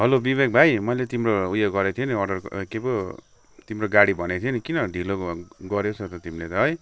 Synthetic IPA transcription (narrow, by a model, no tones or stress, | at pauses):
ɦʌlobibek̚bʱajmʌjlet̪imroujoɡɡʌɾet̪ʰieniʌrɖʌrkebo | t̪imroɡaɽibʱʌnet̪ʰienikinʌɖʱiloɡʌɾjot͡sʰʌt̪ʌt̪imilet̪ʌɦʌj